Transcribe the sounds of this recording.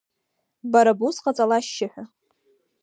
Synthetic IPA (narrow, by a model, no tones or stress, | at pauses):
baɾabusqʼat͡sʼalaʃːɪħʷᶣa